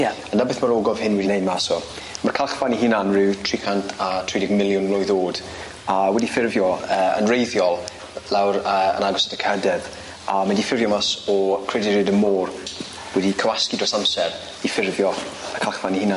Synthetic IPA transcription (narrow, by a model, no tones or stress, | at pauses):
jɛənːəbɪθmaɾoːɡɔv̥hɪnwɛdinejdmasɔ | markʰalˠχfaniɦɪnanrɪwtʰrikʰantʰatʰridɪɡmɪlˠjʊnlɔjðoːd̥ | awɛdifɪrvjɔəːə̰nrejðjɔlˠ | lɛwɾəə̰naɡɔsadəkʰədɛv | amɛdifɪrvjɔmasɔkʰredɪɾɪdəmoːr | wɛdikʰəwaskidrosamsɛr | ifɪrvjɔməkʰalˠχfanihɪna